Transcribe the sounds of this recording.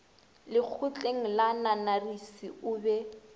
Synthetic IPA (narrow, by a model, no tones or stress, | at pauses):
lɪk͡xʰʊt͡ɬʼeŋ̩lananarisiʊːbɛ